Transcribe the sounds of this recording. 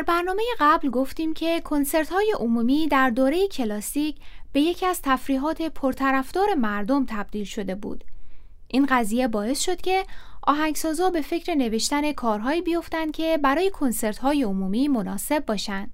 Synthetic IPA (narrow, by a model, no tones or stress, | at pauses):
d̪æɾbæɾnɒːme̞je̞ɢæblɡoft̪iːmcʰe̞kʰo̞nse̞ɾt̪hɒːje̞ʔomuːmiːd̪æɾd̪oːɾe̞jecʰe̞lɒːsiːcb̥e̞je̞cʰiæz̥t̪ʰæfɾiːɦɒːt̪ʰe̞pʰoɾt̪ʰæɾæfd̪ɒːɾe̞mæɾd̪o̞mt̪ʰæb̥̚d̪iːlʃo̞d̪e̞bṵːd̪̥ | ʔinɢæziːje̞bɒːe̞sʃo̞d̪̥cʲʰe̞ʔɒ̰ːɦæŋɡsɒːzɒːbe̞fe̞cʰɾe̞ne̞ve̞ʃt̪æne̞kʰɒːɾɦɒːiːbijo̞ft̪ænd̪̚cʲʰe̞bæɾɒːje̞kʰo̞nse̞ɾt̪hɒːjeomuːmiːmo̞nɒːse̞bːɒːʃænd̪̥